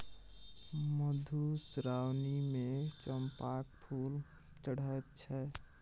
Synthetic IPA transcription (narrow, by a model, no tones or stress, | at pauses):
məd̪ʱusɾawnimet͡ʃəmpakpʰul | t͡ʃəɽ̤əjt̪̚t͡ʃʰɛ